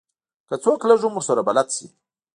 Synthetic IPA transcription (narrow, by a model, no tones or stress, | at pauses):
kat͡saklaʒumusaɾabalatt͡si